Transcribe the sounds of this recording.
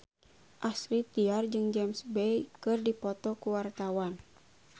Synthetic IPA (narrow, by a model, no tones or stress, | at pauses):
ʔasɾit̪iard͡ʒɨŋd͡ʒɛmsbɛjkɨrdipɔt̪ɔkuwart̪awan